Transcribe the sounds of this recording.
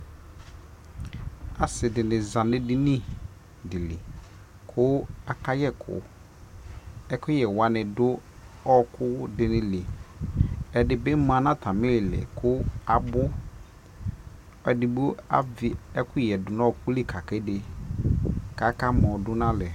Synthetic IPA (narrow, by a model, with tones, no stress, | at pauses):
a˨sɪ˨dɪ˨nɪ̃˨zã˨nɪ̃˦dɪ˦nĩ˦ | dɪ˨lɪ˨ | kʰʊ˦a˨ka˦jɛ˦kʰʊ̰˨ | ɛ˦kʊ˦jɛ˨wa˨nɪ̃˨dʊ˦ɔ˦kʊ˦dɪ˨nɪ̃˨lɪ˨ | ɛ˨dɪ˨bɪ˦m˦m˦a˨nã˦tʰa˨mɪ̃˦lɪ˨lɪ̰˨kʰʊ˦a˨bʊ˦ | ɛ˨dɪ˨bʊ˦a̰˦˨vɪ˨ɛ˦kʰʊ˦jɛ˨dʊ˨nɔ˦˨kʊ˦lɪ˦kʰa˨kɛ˦dɪ˨ | ka˨˦ka˦mɔ̃˨dʊ˦nã˦lɛ˨